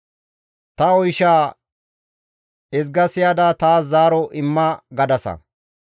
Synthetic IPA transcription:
t̪ɐɔjʃaː | ɛzɡɐsɪjaːd̪at̪aːszaːɾɔʔɪmːɐɡɐd̪ɐsɐ̰

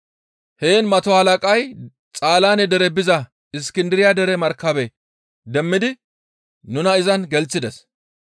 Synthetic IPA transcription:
heːnmɐt̪ɔhɐlɐkʼɐj | t͡sʼaːlaːnɛd̪ɛɾɛbɪzɐ | ɪskɪnd̪ɪɾɪjad̪ɛɾɛmɐɾkːɐbɛ | d̪ɛmːɪd̪ɪ | nʊnɐɪzɐnɡɛlt͡sːɪd̪ɛs

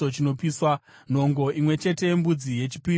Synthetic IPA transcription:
ot͡ʃino̞piswan̤o̞ŋɡo̞ʔimwe̞t͡ʃe̞te̞mbud͡zije̞t͡ʃipi

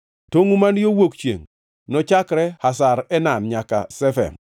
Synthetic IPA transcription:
toŋumanjowokt͡ʃjḛŋ | nɔt͡ʃakɾɛhasaɾɛnanɲaka̰sɛfɛ̰m

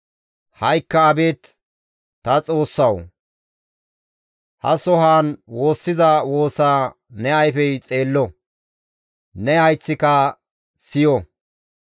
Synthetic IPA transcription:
hɐjkːɐːbeːt̪ | t̪ɐt͡sʼo̞ːsːɐw | hɐ̰sɔɦaːnwo̞ːsːɪzɐwo̞ːsaː | nɛɐjfɛjt͡sʼe̞ːlːɔ | nɛhɐjt͡sːɪkɐ | sɪjɔ

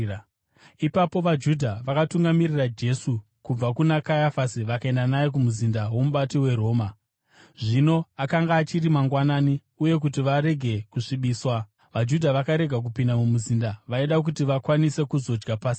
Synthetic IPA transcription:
ipapo̞ʋad͡ʒudʱaʋakatuŋɡamirirad͡ʒe̞su | kub͡vakunakajafasiʋakae̞ndanajek̬umuzindawo̞muɓatiwe̞ɾo̞ːma | ʐino̞akaŋɡaːt͡ʃirimaŋɡwanaːni | uje̞k̬ut̬iʋaɾe̞ɡʱe̞kuʂiɓiːswa | ʋad͡ʒudʱaʋakaɾe̞ɡʱak̬upindamumuzindaʋaiɗak̬utiʋakwanise̞kuzo̞d͡ʒɡapaːsi

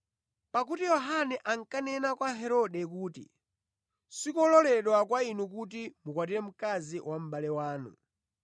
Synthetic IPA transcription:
pak̬utijɔɦanɛʔaŋkanɛnakwaɦɛɾɔɗɛk̬uːtḭ | sikɔlɔlɛɗwakwainukut̬imukwat̬iɾɛm̩kaziwʔam̩ɓalɛwaːnṵ

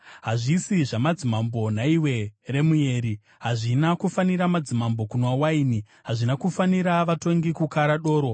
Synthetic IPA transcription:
ɦaʐisiʐamad͡zimambo̞naiwe̞re̞muje̞ːɾi | ɦaʐinakufaniɾamad͡zimambo̞kunwawaini | ɦaʐinakufaniɾaʋato̞ŋɡikukaɾaɗo̞ːɾo̞

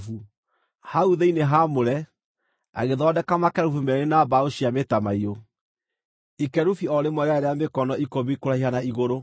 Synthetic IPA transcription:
fu | hauðeineɦamoɾɛ | a̰ɣeðɔdɛkamakɛɾufumɛɾenabaoɕiametamaio | ikɛɾufiɔɾemwɔɾeaɛɾɛamekɔnɔikoβikoɾahihanaiɣoɾo

